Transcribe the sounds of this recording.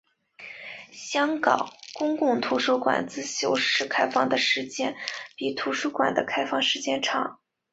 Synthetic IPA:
ɕjɑ˥ŋkɑ̰˨˩˦ʊkʊ˥ŋkʊ˥˩ŋt̪ʰu˧˥ʂu˥kwa̰˨˩nt͡sɹ̩˥˧ɕjo˧˥ʊʂɻ̩˥˩kʰa˥ɪfɑ˥˩ŋd̪ə˩ʂɻ̩˧˥t͡ɕjɛ˥˩npi˨˩t̪ʰu˧˥ʂu˥kwa̰˨˩nd̪ə̰˦kʰa˥ɪfɑ˥˧ŋʂɻ̩˧t͡ɕjɛ˥˧nʈ͡ʂʰɑ˨˩˦ŋ

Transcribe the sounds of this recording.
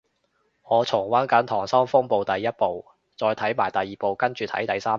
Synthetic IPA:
ŋɔː˨˧t͡sʰʊ˨˩ŋwɐː˨˥nkɐ˨˥nt̪ʰɔː˨˩ŋsɐ˥mfʊ˥ŋpo˨˧wt̪ɐ˨jːɐ˥t̚po˨˧w | t͡sɔː˨˧jt̪ʰɐ˨˥jmaː˨˩jt̪ɐ˨jːiː˨po˨˧wkɐ˥nt͡ʃyː˨˧t̪ʰɐ̰˨˥jt̪ɐ˨jsaː˥

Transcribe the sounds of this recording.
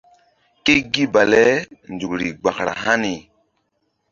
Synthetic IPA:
ke˦ɡi˦ba˨lɛ˦nd͡ʒu˨kɾi˨ɡ͡ba˨kɾa̰˨ɦa˦ni˨

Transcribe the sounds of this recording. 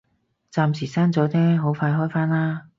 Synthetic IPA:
t͡saː˧msiː˨˩saː˥nt͡sɔː˨˥t̪ʰɛː˥ɦo˨˥wfaː˧jɦɔː˥jfaː˥nlaː˥

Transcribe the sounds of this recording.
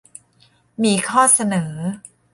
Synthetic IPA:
miː˧kʰɔː˥˩sa˧nɤː˩˦

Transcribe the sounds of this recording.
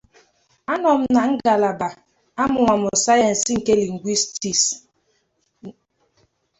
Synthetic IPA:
a˦nɔ˨m̩˦na˨ŋ̩˦ɡa˨la˨ba˨ | a˦mʊ˨ŋʷa˨mʊ˨sa˦ja˨n̩˨sŋ̩˨ke˦li˨ŋ̩˨ɡʷi˦sti˨s

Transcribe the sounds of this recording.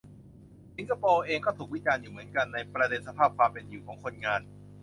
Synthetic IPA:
si˧˦nka˧poː˧ʔeː˧ŋkɔː˥˩t̪ʰuː˨˩k̚wi˦˥t͡ɕaː˧njuː˨˩mɯ˩˦ənka˧nːa˧jpɾa˧de˧nsa˧pʰaː˥˩p̚kʰwaː˧mpe˧njuː˨˩kʰɔː˩˦ŋkʰo˧nŋaː˧n

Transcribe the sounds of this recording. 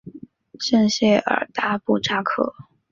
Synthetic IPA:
ʂə˥˧nɕjɛ˥˩ə̰˨˩t̪a˥pu˥˩ʈ͡ʂa˥kʰɤ̰˥˩

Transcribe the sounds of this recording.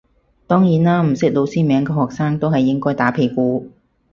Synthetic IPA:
t̪ɔː˥ŋjiː˨˥nlaː˥m̩˨˩sɪ˥k̚lo˨˧wsiː˥mɛː˨˧ŋkɛː˧hɔː˨k̚saː˥ŋt̪o˥wɦɐ˨jːɪ˥ŋkɔː˥jt̪aː˨˥pʰe˨˩jkuː˧

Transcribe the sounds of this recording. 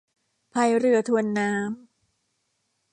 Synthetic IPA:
pʰa˧˩jɾɯ˧ɐt̪ʰu˧ənːaː˦˥m

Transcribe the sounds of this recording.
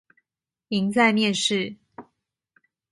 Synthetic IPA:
i˧˥ŋt͡sa˥˧ɪmjɛ˥˨˧nʂɻ̩˥˨

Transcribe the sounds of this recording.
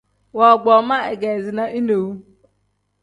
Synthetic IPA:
wɔ˨ɡ͡bɔ˨ma˦e˨ɡɛ˨zɪ˨na˦ʔi˦no˨wu˦

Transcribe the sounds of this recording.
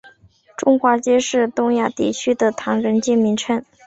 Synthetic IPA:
ʈ͡ʂʊ˥ŋxwa˧˥t͡ɕjɛ˥ʂɻ̩˥˩t̪ʊ˥ŋja˥˩t̪ḭ˥˩t͡ɕʰy˥d̪ə˨t̪ʰɑ˧˥ŋɻə˧˥nt͡ɕi˥˩nmi˧˥ŋʈ͡ʂʰə˥n

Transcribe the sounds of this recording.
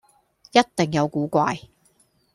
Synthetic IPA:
jɐ˥t̚t̪ɪ˨˩ŋjɐ˨˧wkuː˨˥kʷaː˧j

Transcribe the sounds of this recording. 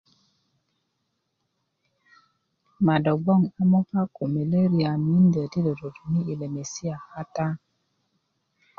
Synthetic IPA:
ma˨do˨bɔ˦˨ŋa˨mo˦fa˦ko˨me˨le˦ɾi˦a˨mi˦ndə˨di˦də˨ɾo˨tu˨mi˦i˨le˨me˨si˦a˨ha˦ta˦

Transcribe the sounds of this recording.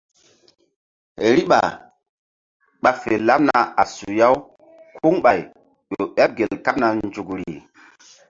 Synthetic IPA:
ɾi˦ɓa̰˨ | ɓa˨fe˨la˦p̚na˨a˨su˨ja˦w | kʰu˦ŋɓa˨j | ɗo˨ɓa˦p̚ɡe˨lka˦p̚na˨nd͡ʒu˨kɾḭ˨

